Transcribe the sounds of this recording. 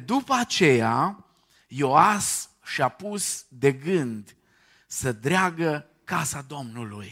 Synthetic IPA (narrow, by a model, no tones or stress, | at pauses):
d̪upəat͡ʃe̞ja | jo̞as | ʃiapusd̪e̞ɡɨnd̪ | səd̪ɾeaɡə | kasad̪o̞mnuluj